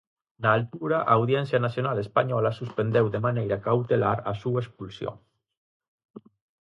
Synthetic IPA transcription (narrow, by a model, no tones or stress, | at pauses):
naːlt̪uɾaʔaːwðjensjanasjonalespaɲɔlasuspend̪ewðemanejɾakawt̪elaɾa̰suaespulsjo̰